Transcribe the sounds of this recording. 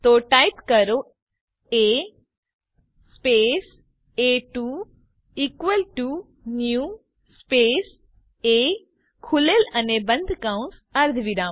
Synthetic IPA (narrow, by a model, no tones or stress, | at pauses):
t̪oːʈaːjipkɐɾo | e | spes | eʈu | ikʋəlʈu | nju | speːs | e | kʰulelɐnebɐ̃nd̪ʱkãũns | ɐɾd̪ʱʋiɾãː